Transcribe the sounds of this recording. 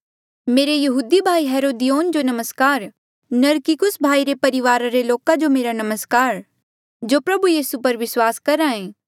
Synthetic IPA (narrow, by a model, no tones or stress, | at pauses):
meːɾejɐɦuːd̪ibʱaːiɦɛːɾoːd̪ijoːnd͡ʒonɐməskaːɾ | nɐɾkɪkʊsbʱaːiɾepɐɾɪʋaːɾaɾeloːkad͡ʒomeːɾanɐməskaːɾ | d͡ʒoːpɾɐbujiːsupɐɾʋɪswaːskɐɾaẽː